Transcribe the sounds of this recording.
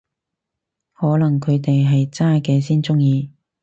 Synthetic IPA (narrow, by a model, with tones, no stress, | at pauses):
hɔː˨˥lɐ˨˩ŋkʰɵ˨˧ɥt̪e˨jɦɐ˨jt͡saː˥kɛː˧siː˥nt͡sʊ˥ŋjiː˧